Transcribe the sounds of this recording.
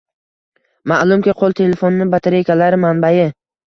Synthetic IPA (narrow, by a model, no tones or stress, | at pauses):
maʔlˠʊmkʲiqʰolˠt̪ʰe̞le̞fonnɪbat̪ʰeɾejkʲalaɾɪmanbajɪ